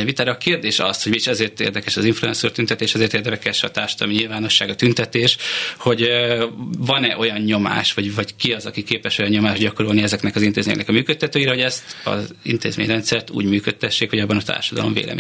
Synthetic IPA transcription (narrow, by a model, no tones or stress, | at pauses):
ɛvit̪aːɾɒːkeːrd̪eːʃɒ̰sho̞ɟmiiʃɛzeːrt̪ḛːrd̪ɛkɛʃɒziɱfluɛnsurt̪ynt̪ɛt̪eːʃɛzeːrt̪eːrd̪ɛmɛkɛʃɒ̰t̪aːrʃɒd̪ɒlomiɲilvaːno̞ʃːaːɡɒt̪ynt̪ɛt̪eːʃho̞ɟ | vɒnɛʔo̞jɒnɲo̞ma̰ːʃʋɒɟvɒckiɒzɒkikeːpɛʃo̞jɒɲːo̞maːʒɟɒko̞ɾolniɛzɛknɛkɒzint̪eːzmeːɲːɛknɛkɒmyːkøt̪ːɛt̪øːjiɾɛho̞ɟɛst̪ɒ̰zḭnt̪ḛːzmḛːɲrɛnt̪sɛrt̪ṵːɟmyːkøt̪ːɛʃːeːkho̞ɟɒbːɒnɒt̪a̰ːrʃɒd̪ɒlomvḛːlʔɛ̰mḛː